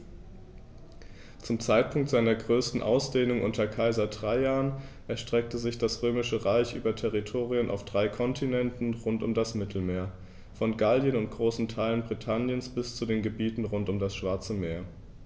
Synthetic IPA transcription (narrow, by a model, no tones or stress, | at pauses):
t͡sʊmt͡saɪt̚pʰʊŋktz̥aɪnɐɡʁøːstn̩ʔa̰ʊsd̥eːnʊŋʔʊntɐkʰaɪzɐdʁaɪjaːənʔɛɐʃtʁ̥ɛk̚təzɪçd̥asʁ̥øːmɪʃəʁaɪçʔyːbɐtʰɛʁitʰoːʁiənʔa̰ʊfd̥ʁaɪkʰɔntʰinɛntn̩ʁʊntʊmdasmɪtʰl̩meːɐ | fɔnɡaljənʊnt̚ɡ̥ʁoːsn̩tʰaɪlənbʁitʰanjənsb̥ɪst͡sudeːnɡəbiːtn̩ʁʊntʊmdasʃv̥aɐt͡səmeːɐ